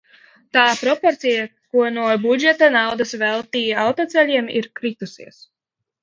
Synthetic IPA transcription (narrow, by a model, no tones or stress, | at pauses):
t̪aːpɾɔpoɾt̪sijakuɔnuɔbud͡ʒet̪anawd̪asvɛlˠt̪iːawt̪ɔːt̪sɛlʲiɛmḭɾkɾit̪usiɛs